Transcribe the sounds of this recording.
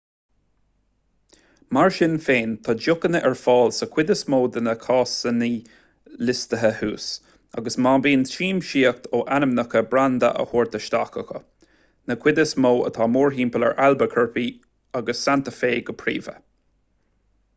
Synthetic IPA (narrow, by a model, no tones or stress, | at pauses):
maɹʃɪnfeːnt̪ʰɑːd͡ʒʊkənəʔɛɹfɑːlsəkʰw̥ɪd̪əsmoːd̪ənəkʰɑːsəniː | lɪst̪əɦəhuːs | a̰ɡəsmabiːntiːmʃiːək̚t̪ʰoːʔanəmnəkəbɾand̪ə̰ʔə̰hoːɹt̪əʃt̪akəxə̰ | nəkʰw̥ɪd̪əsmoːə̰t̪ʰɑːmuːɹɦiːmpələ̰ɹʔalbəkʰəɹpi | aɡəsːant̪əfeːɡəpʰɹɾḭːvə̰